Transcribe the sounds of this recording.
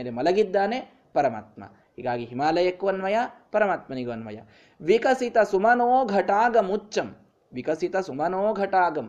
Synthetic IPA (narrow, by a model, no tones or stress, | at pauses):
lemɐlɐɡid̪ːaːne | pɐɾɐma̰ːt̪̚mɐ̰ | ɦḭːɡaːɡiɦimaːlɐjɐkːuʋɐnʋɐjapɐɾɐmaːt̪mɐniɡuʋɐnʋɐ̰jɐ̰ | ʋikɐsit̪ɐsumɐnoːɡʱɐʈaːɡɐmutːt͡ʃːɐm | ʋikɐsit̪ɐsumɐnoːɡʱɐʈaːɡɐm